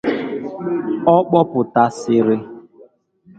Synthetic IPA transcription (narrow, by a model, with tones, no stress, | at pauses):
ɔ˦k͡pɔ˦pʊ˨ta˦sɪ˦ɾɪ˦